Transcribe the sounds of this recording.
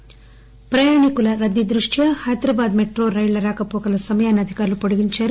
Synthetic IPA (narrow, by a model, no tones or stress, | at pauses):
pɾɐjaːɳikulɐɾɐd̪ːid̪ɾuʂʈʰjɐhɐjd̪ɾɐbaːd̪meʈɾoːɾɐjɭɐɾaːkɐpoːkɐlɐsɐmɐjaːnɐd̪ʱikaːɾɐlupoɽuɡiɲt͡ʃɐɾu